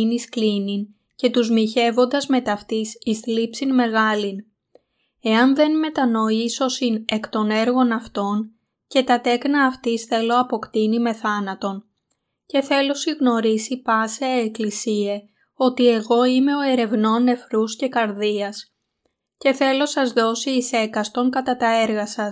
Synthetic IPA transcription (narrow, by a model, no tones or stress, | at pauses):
nisklinin | ce̞t̪uzmiçe̞vo̞nd̪ɐzme̞t̪ɐft̪isist̪lipsinme̞ɣɐlin | e̞ɐnðe̞nme̞t̪ɐno̞iso̞sine̞kt̪o̞ne̞ɾɣo̞nɐft̪o̞n | ce̞t̪ɐt̪e̞knɐːft̪isθe̞lo̞ɐpo̞kt̪inime̞θɐnɐt̪o̞n | ce̞θe̞lo̞siɣno̞ɾisipɐseːklisie | o̞t̪ie̞ɣo̞ime̞o̞e̞ɾe̞vno̞nnːe̞fɾusce̞kɐɾðiɐs | ce̞θe̞lo̞sɐzðo̞siːse̞kɐst̪o̞ŋkɐt̪ɐt̪ɐe̞ɾɣɐsɐs